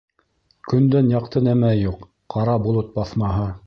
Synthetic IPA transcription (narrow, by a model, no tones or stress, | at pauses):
kɵ̆nd̪ænjɑq̚t̪ɤnæmæjuqː | ɑɾɑbulˠɤt̪̚bɑθmɑɦɤ